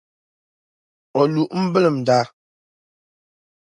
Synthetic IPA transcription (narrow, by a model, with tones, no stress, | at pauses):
ɔ˨lu˨ʔm̩˦bə˦lə˨m˨da˦